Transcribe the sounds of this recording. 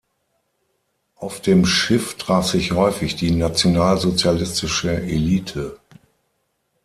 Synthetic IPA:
ʔaʊfd̥eːmʃɪftʁ̥aːfz̥ɪçhɔʏfɪçd̥iːnat͡sjonaːlzot͡sjalɪstɪʃəʔeliːtʰə

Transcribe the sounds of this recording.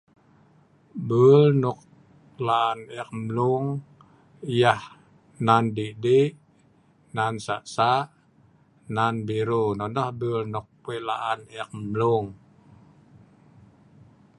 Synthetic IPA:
bəlnuk̚ | laʔanɛk̚mluŋ | jah | nandideʔ | nansa̰ʔsaʔ | nanbiɾonɔnd̪ahbulnuk̚pelaʔanɛk̚mluŋ

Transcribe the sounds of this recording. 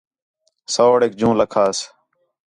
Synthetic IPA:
soːɽeːk̚d͡ʒũːləkʰaːs

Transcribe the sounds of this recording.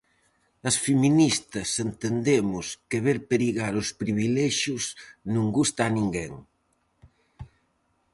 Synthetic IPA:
ɐsfeminist̪ɐsent̪end̪emʊskeβeɾpeɾiɣaɾospɾiβileʃjusnũŋɡust̪aːnĩŋɡeŋ

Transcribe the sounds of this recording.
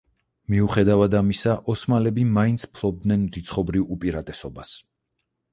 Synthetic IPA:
miuχɛd̪avad̪amisaʔɔsmalɛbimaint̪sʰpʰlˠɔb̚d̪nɛnɾit̪sʰχɔbɾivupʼiɾat̪ʼɛsɔbas

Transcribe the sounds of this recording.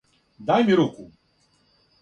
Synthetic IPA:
d̪ajmiɾuku

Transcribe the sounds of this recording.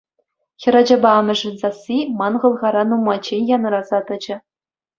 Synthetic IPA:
xʲɘ̆ɾɑd͡ʑɑ̆bɑɑmʲɘ̆ʐɘ̆nzɑsʲimɑnʁɤ̆lˠʁɑɾɑnumːɑt͡ɕːenʲjɑnɤ̆ɾɑzɑt̪ɤ̆d͡ʑɘ̆

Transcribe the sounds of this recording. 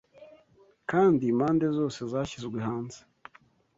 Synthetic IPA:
kaːndimaːnde̞zo̞ːse̞zaːçizɡwehaːnze̥

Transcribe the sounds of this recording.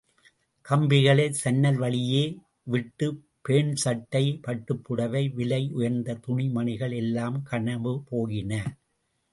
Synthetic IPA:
kɐmbɪɣɐɭɐɪsɐnːɐlʋɐɭɪjeː | ʋɪʈːɯ | peːɳsɐʈːɐɪpɐʈːɯpːɯɽɐʋɐɪʋɪlɐɪʔʊjɐɾnd̪ɐt̪ʊɳɪmɐɳɪɣɐɭɛlːaːmkʰɐɳɐʋɯpoːɣɪnɐ

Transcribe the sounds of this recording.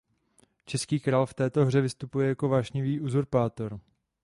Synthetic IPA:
t͡ʃɛskiːkɾaːlft̪ɛːt̪o̞ɦr̝ɛvɪst̪upujɛjako̞vaːʃɲɪviːʔuzuɾpaːt̪oɾ

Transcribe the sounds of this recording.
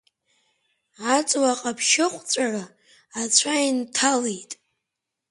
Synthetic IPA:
at͡sʼwaqʼapʰʃɪχʷt͡sʷʼara | at͡ɕʷʰaintʰalejtʼ

